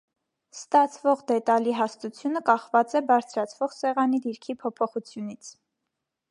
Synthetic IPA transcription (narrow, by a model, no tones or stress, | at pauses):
st̪ɑt͡sʰvɔʁd̪ɛt̪ɑliɦɑst̪ut͡sʰjunəkɑχvɑt͡sɛbɑɾt͡sʰɾɑt͡sʰvɔʁsɛʁɑnid̪iɾkʰipʰɔpʰɔχut͡sʰjunit͡sʰ